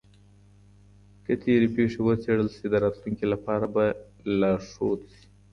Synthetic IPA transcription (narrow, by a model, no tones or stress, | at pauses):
kət̪ʰeɾepeʂewət͡seɽəlsid̪əɾɑːt̪luŋkelapɑɾaba | laʂot̪si̥